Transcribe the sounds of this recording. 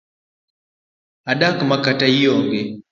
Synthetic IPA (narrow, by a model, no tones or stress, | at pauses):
aɗakmakataijɔŋɡɛ